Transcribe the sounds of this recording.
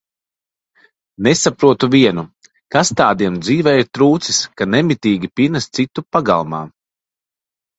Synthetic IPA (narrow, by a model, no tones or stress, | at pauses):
nesapɾuɔt̪uviɛnu | kast̪aːd̪iɛmd̪ziːvɛjiɾt̪ɾuːt̪siskanɛmit̪iːɡʲipinast̪sit̪upaɡa̰lˠma̰ː